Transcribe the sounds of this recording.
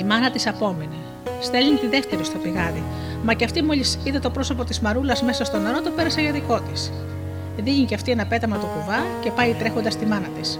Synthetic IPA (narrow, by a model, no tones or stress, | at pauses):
imɐnɐt̪isɐpo̞mine̞ | st̪elint̪iðe̞ft̪eɾist̪opiɣɐði | mɐceɐft̪imoʎisiðet̪o̞pɾo̞so̞po̞t̪izmɐɾulɐzme̞sɐst̪o̞neɾot̪ope̞ɾɐseʝɐðiko̞t̪is | ðiɣiceɐft̪ienɐpe̞t̪ɐmɐt̪o̞kuvɐcepɐit̪ɾe̞xo̞nd̪ɐst̪imɐnɐt̪is